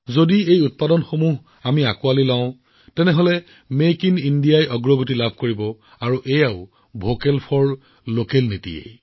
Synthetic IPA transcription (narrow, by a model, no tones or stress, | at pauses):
zodiejut̚padɔnxomuɦ | amiakualilaʊ̃ | tɛnɛɦolɛ | mekinindijajɔɡɹɔɡʱutilabʱkoɹibɔ | aɹuʔejaʊ | bʱokɛlpʰɔɹ | lokɛlnitḭjḛj